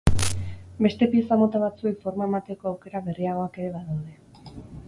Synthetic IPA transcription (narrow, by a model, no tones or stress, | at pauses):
be̞st̪e̞piesamo̞t̪aβ̞at͡sue̞kfo̞ɾmae̞mat̪e̞koawke̞ɾaβe̞riaɣ̞o̞ake̞ɾe̞βaðawðe̞